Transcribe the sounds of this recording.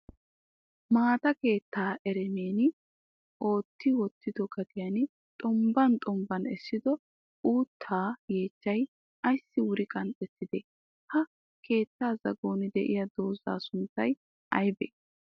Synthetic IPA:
maːt̪ɐke̞ːt̪ːaːʔɛɾɛneːnɪ | ʔo̞ːt̪ːɪwɔt̪ːɪd̪ɔɡɐt̪ɪjɐn | t̪ʼɔmbɐnt̪ʼɔmbɐnɛsːɪd̪ɔ | uːt̪ʰːaːje̞ːt͡ʃːɐj | ɐjsːɪwʊɾɪkʼɐnt̪ʼːɛt̪ːɪd̪ɛ | hɐ | ke̞ːt̪ːaːzɐ̰ɡo̞ːnɪd̪ɛʔɪ̰jɐd̪o̞ːza̰ːsʊnt̪ːɐj | ʔɐ̰jbɛ

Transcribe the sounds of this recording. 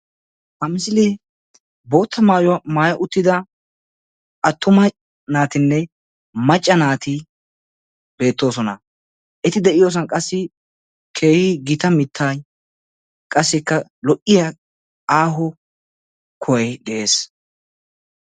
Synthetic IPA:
hɐmɪs̬ɪlɛ | bo̞ːt̪ʰːɐmaːjɔwɐmaːjɐʔʊt̪ːɪd̪ɐ | ʔɐt̪ːʊmɐ | naːt̪ɪnːɛ | mɐt͡ʃʼːɐnaːt̪ɪ | be̞ːt̪ːo̞ːsɔnɐ | ʔɛt̪ɪd̪ɛʔɪjo̞ːs̬ɐnkʼɐsːɪ | kʰe̞ːhɪɡɪt̪ɐmɪt̪ʰːaːj | kʼɐsːɪkːɐlɔʔːɪjɐ | aːɦʊ | kʰɔjɐjɡ̪ɛʔe̞ːs

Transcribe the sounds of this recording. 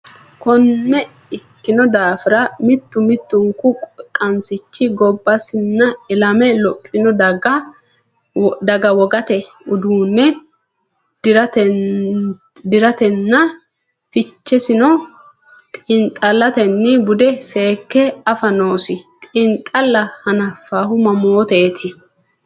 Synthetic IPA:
kɔnːɛ | ɪkːɪnɔd̪aːfɪɾɐmɪt̪ːʊmɪt̪ːʊŋkʊkʼɔkʼːɐnsɪt͡ʃːɪɡɔbːɐsɪnːɐɪlɐmɛlɔpʼːɪnɔd̪ɐɡɐ | d̪ɐɡɐwɔɡɐt̪ɛ | ʊd̪uːnːɛ | dɾɐt | d̪ɪɾɐt̪ɛnːɐ | fɪt͡ʃːɛsɪnɔ | t̪ʼɪŋtʼɐlːɐt̪ɛnːɪbʊd̪ɛse̞ːkːɛɐfɐnoːsɪt̪ʼɪŋtʼɐlːɐhɐnɐfaːɦʊmɐmoːt̪eːt̪ʰɪ

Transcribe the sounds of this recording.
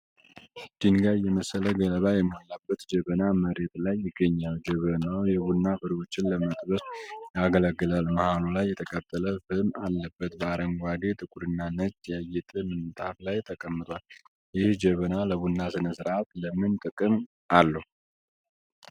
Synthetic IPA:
d͡ʒinɡajɛməsːələɡələβajɛmːolːabːət̪d͡ʒəβənaməɾe̞t̪lajːɪɡːəɲːald͡ʒəβənawjɛβunːafɨɾo̞t͡ʃːɪnləmət̪ʼbəsjaɡəlaɡːɨlalməhalulajːɛt̪ʰəkʼət̪ʼːələfɨmalːəbːət̪̚bəaɾəŋɡʷad̪et̪ʼɨkʼuɾɨnːanət͡ʃːjajːɛt̪ʼɨmɨnt̪ʼaflajt̪ʰəkʼəmːɨt̪ʼwal | jɪhd͡ʒəβənaləβunːasɨnɨsɨɾʔat̪ləmɨnt̪ʼɨkʼɨm | ʔalːəhu

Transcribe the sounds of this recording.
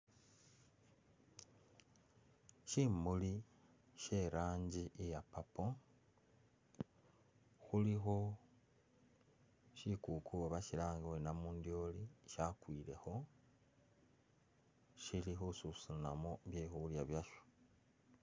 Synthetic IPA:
ʃimuli | ʃe̞ɾaːɲɟiʔejapapo | xuliɦo̞ | ʃikukʰuoβaciɾaːŋɡawenamuːndjoliʃakwiːɾe̞̰ho̞ | ʃilixosusunamoβjexuuljaβjaʃo̥

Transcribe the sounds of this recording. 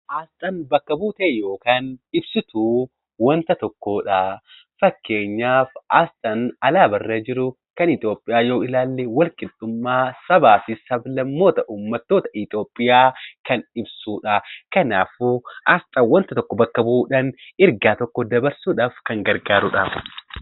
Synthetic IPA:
ʔaːst̪ʼɐnbɐkːɐbuːt̪eːjo̞ːkaːnɪbsɪt̪ʰu | wɐnt̪ɐt̪ɔkːoːᶑɐ | fɐkːe̞ːɲːaːfʔaːst̪ʼɐnɐlaːbɐrːeːd͡ʒɪɾʊ | kɐnɪt̪ʼo̞ːpʼːɪjaːjo̞ːɪlaːlːewɐlkʼɪd̪ʼʊmːaːsɐbaːfɪsɐblɐmːo̞ːt̪ɐʔuːmːɐt̪ːo̞ːt̪ɐʔɪt̪ʼɪo̞ːpʼːɪjaːkɐnɪbsuːᶑɐkɐna̰ːfuʔɐst̪ʼɐwɐnt̪ɐt̪ɔkːɔbɐkːɐbuːᶑɐnɪɾɡaːt̪ɔkːɔd̪ɐbɐɾsuːᶑaːfkɐŋɡɐɾɡaːɾʊᶑa

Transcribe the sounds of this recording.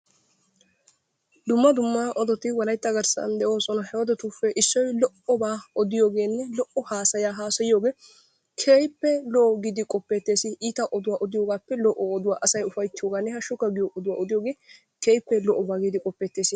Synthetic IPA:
d̪ʊmːɐd̪ʊmːɐʔɔd̪ɔt̪ɪwɐlɐjt̪ːɐɡɐɾsɐ̰nd̪ɛʔo̞ːsɔnɐhɛwɐd̪ɛt̪uːfːɛʔɪsːɔjlɔʔɔbaːɔd̪ɪjo̞ːɡe̞ːnːɛlɔʔɔhaːsɐjaːɦaːsɐjɪjo̞ːɡe̞ː | kʰeːjpːɛlɔːɡid̪ɪkʼɔpːet̪ːe̞ːsɪʔiːt̪ɐʔɔd̪ʊwaːʔɔd̪ɪjoːɡaːpːɛlɔʔɔɔd̪ʊwaːʔɐsɐjʊfɐjt̪ːɪjoːɡaːnːɛhɐʃʊkɐɡɪjoʔɔd̪ʊwaːɔd̪ɪjoːɡe̞ː | keːjpːɛlɔʔɔbaːɡid̪ɪkʼɔpːeːt̪ːe̞ːsɪ

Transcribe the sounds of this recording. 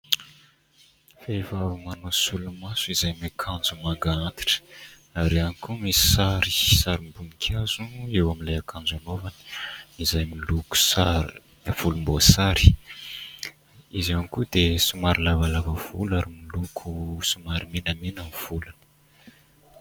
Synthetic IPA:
fevavimanosulumasuizajmakʰand͡zumaɡaant̪i̥ʈ͡ʂə̥ | aɾianikumizi̥saɾisaɾimbumikʲʰazuewamilajakʰãnd͡zanovani̥izajmiluku̥saɾ | v̥ulumbosaɾi̥ | izanikud̪esumaɾilavalavəv̥ulaɾimilukʰusumaɾiminəminəniv̥ulanə

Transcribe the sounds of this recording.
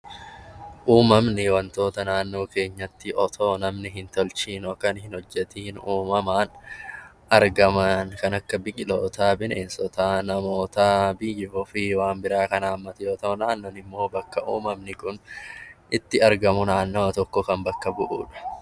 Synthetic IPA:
ʔuːmɐmnɪwɐnt̪o̞ːt̪ɐnaːnːo̞ːke̞ːɲːɐt̪ːɪʔɔt̪ʰo̞ːnɐmnɪɦɪnt̪ɔlt͡ʃiːnɔkːɐnhɪnhɔd͡ʒːɛt̪iːnuːmɐmaːn | ʔɐɾɡɐmɐnkɐnɐkːɐbɪkʼɪlo̞ːt̪aːbɪneːnsɔt̪aːnɐmo̞ːt̪abɪjːɔfɪwaːnbɪɾaːkɐnaːmːɐt̪ɛjoːt̪ɐʊnaːnːoːnɪmːo̞ːbɐkːɐʔṵːmɐmnɪkʊnʔɪt̪ːɪɐɾɡɐmʊnaːnːoːɐt̪ɔkːɔkɐmbɐkːɐbʊʔṵːᶑɐ̥

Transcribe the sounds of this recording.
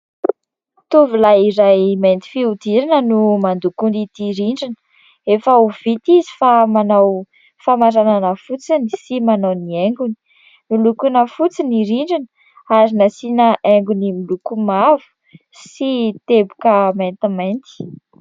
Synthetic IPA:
t̪uvulajiɾajment̪i̥fiud̪iɾinənumand̪ukund̪it̪iɾiɳɖ͡ʐinə̥ | efəuv̥it̪izi̥famanaw | famaɾananəfut͡sinisimanawnieŋɡuni̥ | milukunəfut͡siniɾiɳɖ͡ʐinə | aɾinasinaʔeŋɡunimilukumavu̥ | sit̪ebukəment̪imant̪i̥

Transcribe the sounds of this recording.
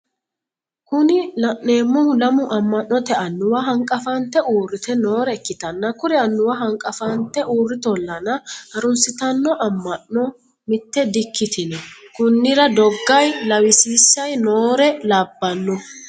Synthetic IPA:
kʊnɪlɐʔːe̞ːmːɔhʊlɐmʊʔɐmːɐnːɔt̪ɛɐnːʊwɐɦɐŋkʼːɐfɐnt̪ːɛʔuːrːɪt̪ɛnoːɾɛɛkːɪt̪ɐnːɐkʊɾɛɐnːʊwɐɦɐŋkʼɐfɐnt̪ːɛʔuːrːɪt̪ɔlːɐnɐɐɾʊnsɪt̪ɐnːɔʔɐmːɐnːɔ | mɪt̪ːɛd̪ɪkːɪt̪ɪnɛkʊnːɪɾɐd̪ɔɡːɐjlɐwɪsiːsːɐjnoːɾɛlaːbːɐnːʊ

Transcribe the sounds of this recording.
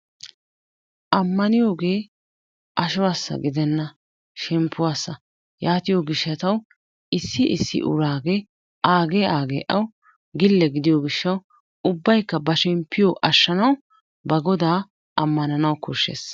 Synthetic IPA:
ʔɐmːɐnɪjo̞ːɡe̞ː | ʔɐʃʊwaːsːɐ̰ɡɪd̪ɛnːɐ | ʃɛmpʰːʊwaːsːɐ | jaːt̪ɪjoːɡɪʃːɐt̪ɐw | ʔɪsːɪʔɪsːɪ̰ʔʊ̰ɾaːɡe | ʔaːɡeːʔaːɡḛːʔɐw | ɡɪlːɛɡɪd̪ɪjoːɡɪʃːɐw | ʊbːɐjkːɐbɐʃɛmpʰːɪjoʔɐʃːɐnɐw | bɐɡɔd̪aː | ʔɐmːɐnɐnɐwkʊʃːḛːs

